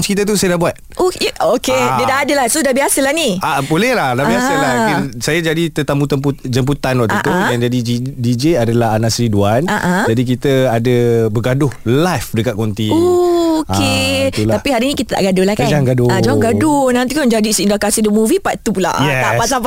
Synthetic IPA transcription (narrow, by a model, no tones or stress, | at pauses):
nskit̪at̪̬usajadabuat̪̚ookedədaʔːdəlafsudabiasəlahniabolɛhlahdabiasalaaisajad͡ʒadit̪ət̪amut̪əmp̬ud͡ʒəmp̬ut̪anwaʔt̪əat̪ujaŋd͡ʒadid͡ʒidid͡ʒeadalaɦanaʔsɾiduanaʔãd͡ʒadik̬it̪əadəbəɡadʊhlajfdəkat̪̚kont̪iokeulaapiɦaɾinikit̪ət̪a̰ʔɡadolahkad͡ʒŋɡaduad͡ʒaŋɡadʊnant̪ikad͡ʒadisiindakasidɔmuvipaʔt̪upula̰jɛaʔpasap